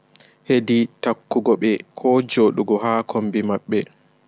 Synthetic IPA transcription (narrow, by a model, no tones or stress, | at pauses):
heditakːuɡɔɓɛkʰɔd͡ʒoːɗuɡɔɦaːkʰombimaɓːɛ